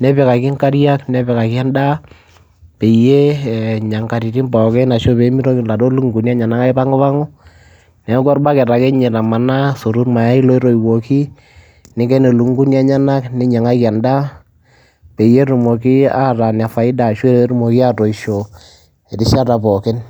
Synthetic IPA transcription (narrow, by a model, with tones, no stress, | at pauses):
nɛ˦pɛ˨ka˨kɪ˦ŋka˦ɾja˦knɛ˦pɛ˨ka˨kɪ˦ɛ˦nda˦ | pe˨je˦ɲa˨ŋka˨ɾi˨ti˦mbɔ˨kɛ˦na˨ʃo˦pe˨˦mi˦ɾo˦kla˨to˦lu˦ŋɡu˨nja˦ɲa˨na˦ka˦ɪ˦pa˦ŋo˦pa˦ŋʊ˦ | nɛ˨˦kɔ˦ɾba˦kɛ˨ta˨kɛ˦ɲɛ˨ta˨ma˨na˦so˨ɾu˦rma˨ja˦i˦lo˦i˦ɾo˨i˨wo˨ki˦ | nɪ˨˦ɡɛ˦ne˨lu˨ŋɡu˦nja˦ɲa˦na˦knɪ˦ɲa˨ŋa˦kɛ˨nda˦ | pe˨je˦ɾu˨mo˨ki˦a˦ɾa˨n˨a˨fa˨ɪ˦da˨ʃwe˦ɾe˨˦ɾu˦mo˨ki˦a˦to˨i˨ʃo˨ | ɛ˨tɪ˦ʃa˦ta˨pɔ˨kɪ˦n